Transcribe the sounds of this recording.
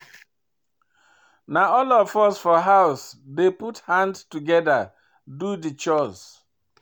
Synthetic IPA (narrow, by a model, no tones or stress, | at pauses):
naɔlɔfɔsfɔɦaʊsdeputhãndtuɡɛða | dudit͡ʃɔs